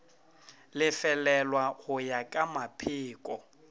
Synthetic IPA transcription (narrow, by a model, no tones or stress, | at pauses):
lɪfɛlɛlwaɣʊjakʼamapʰɪːkʼɔ